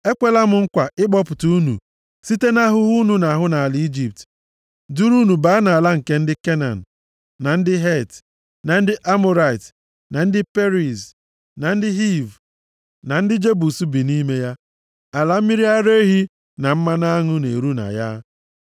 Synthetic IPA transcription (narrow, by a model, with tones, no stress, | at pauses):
e˦kʷe˨la˦mʊ˨ŋ̩˦kʷa˨ʔɪ˦ɡ͡bɔ˦pʊ˨tu˦u˦nṵ˨ | si˦te˦na˦ɦʊ˦ɦu˦nu˨na˨ɦʊ˦na˨a˨li˨˦i˦d͡ʒi˨p̚t | du˦ɾu˦nu˨ba˦na˨a˨la˦ŋ̩˨ke˦n̩˦dɪ˦ke˦na̰˨n̩˨ | na˨n̩˦dɪ˦ɦe˦˨t | na˨n̩˦dɪ˦ʔa˦mo˦ɾa˨ɪ˨t | na˨n̩˦dɪ˦pe˦ɾi˨z | na˨n̩˦dɪ˦ɦi˦˨v | na˨n̩˦dɪ˦d͡ʒe˦bu˨su˦bi˨ni˦me˦ja˦ | a˨la˦m̩˦mi˦ɾi˦a˦ɾe˦ɦi˦ | na˨m̩˦ma˦na˦ŋʊ˦ne˨ɾu˦na̰˨ja˦